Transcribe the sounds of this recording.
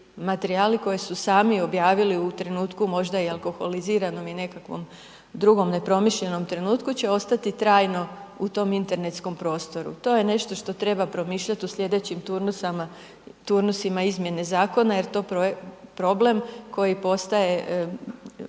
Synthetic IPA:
mat̪e̞ɾiaːliko̞jesusaːmio̞bjaːʋiliut̪ɾe̞nuːt̪kumo̞ʒd̪aialko̞xo̞liziːɾano̞mine̞kakʋo̰m | d̪ɾuɡo̞mne̞pɾo̞miʃʎe̞no̞mt̪ɾe̞nuːt̪kut͡ɕe̞o̞st̪at̪it̪ɾaːjno̞ut̪o̞mint̪e̞ɾne̞t̪sko̞mpɾo̞ːst̪o̞ɾṵt̪o̞ːje̞ne̞ʃt̪o̞ʃt̪o̞t̪ɾe̞bapɾo̞miːʃʎat̪uslʲʎʲe̞d̪e̞t͡ɕimt̪uɾnusama | t̪uɾnusimaizmje̞ne̞zaːko̞naje̞ɾt̪o̞pɾopɾo̞ble̞mko̞jipo̞st̪aje̞ʔ

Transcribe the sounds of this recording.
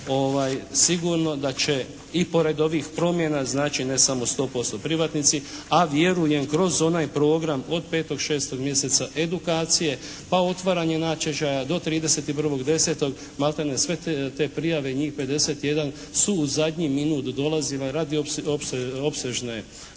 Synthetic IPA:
o̞ʋaːjsiɡuɾno̞d̪at͡ɕe̞ | ipo̞ɾe̞d̪o̞ʋixpɾo̞mjenaznaːt͡ʃinesamo̞st̪o̞ːpo̞st̪o̞pɾiʋat̪nit̪siaʋje̞ɾuje̞mkɾo̞zo̞naːjpɾo̞ːɡɾamo̞d̪̚pe̞ːt̪o̞ɡʃe̞ːst̪o̞ɡmje̞se̞t̪saʔe̞d̪ukaːt̪sije̞ | pao̞t̪ʋaɾaɲe̞nat͡ʃeʒajad̪o̞t̪ɾiːd̪e̞se̞t̪ipɾr̩ʋo̞ɡd̪e̞se̞ːt̪o̞ɡ | malˠt̪anesʋe̞t̪e̞ːpɾijaʋe̞iɲiːxpe̞d̪e̞se̞t̪ije̞d̪an | suːzad̪ʲɲiminuːt̪d̪o̞lazilaɾad̪iopsopseʒne

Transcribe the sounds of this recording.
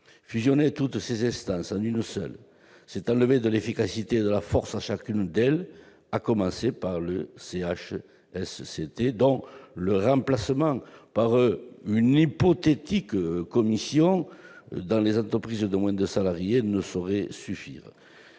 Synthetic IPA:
fyzjɔnet̪ut̪əsezɛ̃st̪ɑ̃sɑ̃nynsœ̰l | sɛt̪ɑ̃ləved̪əlefikasit̪ed̪əlafɔʁsaʃakynd̪ɛl | akɔmɑ̃sepaʁləseaʃ | ɛsːet̪ed̪ɔ̃ləʁɑ̃plasəmɑ̃paʁynipɔt̪et̪ikkɔmisjɔ̃d̪ɑ̃lezɑ̃nt̪χəpχizəd̪əmwɛ̃nd̪əsalaʁjenəsoʁɛsyfḭʁ

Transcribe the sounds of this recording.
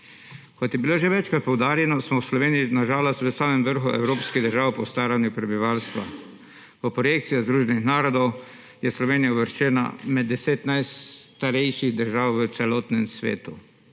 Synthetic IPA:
kɔt̪jɛbiloːʒɛʋɛt͡ʃkɾat̪̚pɔwd̪aːɾjɛnɔsmɔwslɔʋeːnijinaʒaːlɔst̪ʋəsaːmɛmʋəɾxuʔɛ̰wɾoːpskiɣd̪əɾʒaːwpɔst̪aːɾanjupɾɛbiʋalst̪ʋa̰ | pɔpɾɔjeːk̚t̪sijazd̪ɾuːʒɛnixnaːɾɔd̪ɔw | jɛslɔʋeːnijauʋəɾʃt͡ʃɛːna̰mɛd̪ːɛseːt̪najt̪aɾɛjʃiɣd̪əɾʒaːwʋət̪sɛlɔːt̪nɛmsʋḛːt̪u

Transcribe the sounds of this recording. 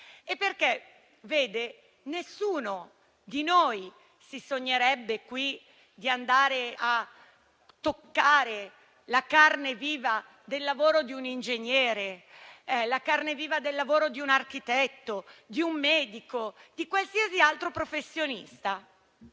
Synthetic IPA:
epːerke | veːd̪e | nesːuːno | d̪inoːj | sisoɲːeɾɛbːekwi | d̪iand̪aːɾea | t̪ːokːaːɾe | lakarneviːva | d̪elːavoːɾod̪iunind͡ʒeɲːɛːɾe | lakarneviːvad̪elːavoːɾod̪iunark̟it̪ɛt̪ːod̪iumːɛːd̪ikod̪ikwalsiasialt̪ɾopɾofesːjonḭst̪a

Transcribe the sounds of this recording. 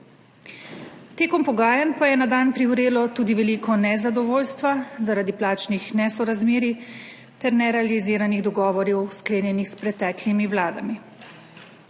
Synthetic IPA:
t̪eːkɔmpɔɡaːjanpajɛnad̪aːnpɾiuwɾeːlɔt̪uːd̪iʋɛliːkʰɔnɛzad̪ɔʋoːlst̪ʋazaɾad̪iplaːt͡ʃnixnɛsɔɾazmeːɾi | t̪ɛɾnɛɾɛaliziːɾaniɣd̪ɔɡɔːʋɔɾjɛwskleːnjɛnixspɾɛt̪ɛːklimiwlaːd̪a̰mi

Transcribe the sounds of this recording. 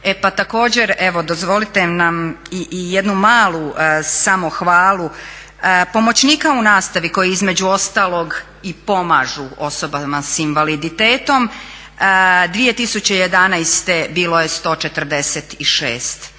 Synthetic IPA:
epat̪ako̞ːd͡ʑe̞ɾeʋo̞d̪o̞zʋo̞lit̪enamiʔijed̪numaːlusamo̞xʋaːlˠu | po̞mo̞t͡ɕniːkaunaːst̪aʋiko̞jiizme̞d͡ʑuo̞st̪aːlˠo̞ɡ | ipo̞maʒuo̞sobamasinʋalid̪it̪e̞ːt̪o̞m | d̪ʋije̞t̪isut͡ɕe̞jed̪anajst̪e̞biːlo̞je̞st̪o̞ːt͡ʃe̞t̪ər̩d̪eset̪iʃḛːst̪

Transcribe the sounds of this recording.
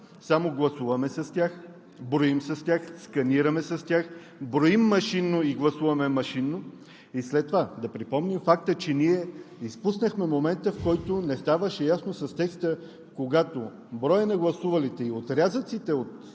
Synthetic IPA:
samoɡlˠɐsuvɐmɛsɐstʲjax | bɾoimsɐst̪ʲjaxskɐniɾɐmɛsɐst̪ʲjax | bɾoimːɐʃinːoiɡlˠɐsuvɐmɛmɐʃinːo | islɛt̪ːovad̪ɐpɾipɔmnimfak̚t̪ət͡ʃɛniɛispusnəxmɛmomɛnt̪əfkɔjt̪onɛst̪avəʃɛjasnosɐst̪ɛkst̪ə | koɡat̪o | bɾɔjənɐɡlˠɐsuvɐlit̪ɛiot̪ɾʲazət̪sit̪ɛot̪

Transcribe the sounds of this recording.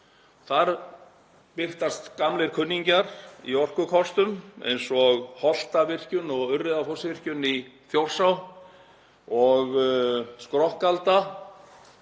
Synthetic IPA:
θaɾ | pɪr̥t̪ast̪kamlɪɾ̥kʰʏnːiɲcaɾḭɔr̥kʏkʰɔst̪ʏmḛjnsɔɣhɔl̥t̪avɪr̥cʏnɔɣʏrːɪðafɔsvɪr̥cʏniθjowr̥saw | ɔɣskɾɔhkalt̪a

